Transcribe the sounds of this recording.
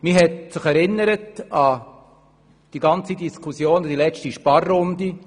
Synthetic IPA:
miɦɛtsɪχɛɾɪnːəɾətɑ | d̥iɡɑnt͡sidiskʰusjoːndilɛt͡stiʃpɑrːʊndi

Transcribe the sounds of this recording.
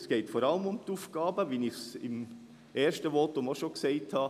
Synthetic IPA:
sɡ̥eɪtfoɾɑləmʊmt̪uːfɡ̥ɑːbəʋiːnɪçsɪ̰m | ʔeːʃtəʋotʊmoʃokseɪthɑ

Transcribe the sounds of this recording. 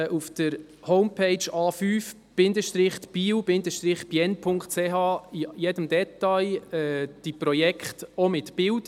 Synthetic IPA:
ʔufd̪̥əɾ | hɔwmpʰeɪt͡ʃɑːfyːf | b̥ɪnd̪əʃt̪ɾɪχt̪b̥iːwbɪnd̪əʃtɾɪχb̥jɛnpʰʊŋktt͡seɦɑːijɛdəmd̪ɛt̪ːɑjɛːd̥iprɔjɛkχtomɪtb̥ɪwd

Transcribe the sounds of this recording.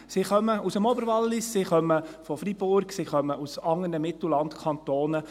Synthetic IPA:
siχœməʔusəmɔbəɾʋɑlːɪsːiχœmːəfɔfɾib̥ʊɾksiχœməusɑŋːənəmɪt̪l̩lɑntkʰɑnt̪oːnə

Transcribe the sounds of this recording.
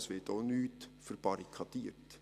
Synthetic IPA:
sʋɪtoːnyːtfəɾb̥ɑɾikʰɑd̥̪iːɾt

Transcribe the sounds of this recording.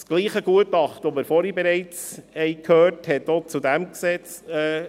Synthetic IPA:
sɡ̥liːχəɡ̥uətɑχtɔməɾfɔɾibeɾɛɪt͡shɛɪkʰhøːɾthɛtot͡sudæmksɛt͡sɛː

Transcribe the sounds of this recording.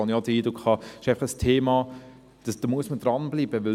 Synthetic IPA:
ɑnjɑd̥̪əiːdɾʊkɑɪʃaɪɑχəstʰeːmɑː | d̥əsd̥ɑmuəsməd̥ɾɑnbliːbəʋɪ

